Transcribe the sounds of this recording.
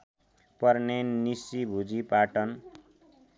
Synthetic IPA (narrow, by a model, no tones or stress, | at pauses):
pʌrnennisibʱud͡zipaʈʌn